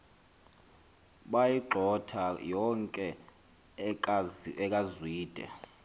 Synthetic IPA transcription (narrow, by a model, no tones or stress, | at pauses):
ɓajiǃʱɔtʰajɔŋkʼɛ | ɛkʼazwiːd̥ʱɛ̰